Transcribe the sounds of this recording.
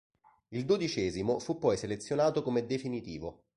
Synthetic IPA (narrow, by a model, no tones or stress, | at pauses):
ild̪od̪it͡ʃɛːzimofupːɔjselet̪sjonaːt̪okomed̪efinit̪iːvo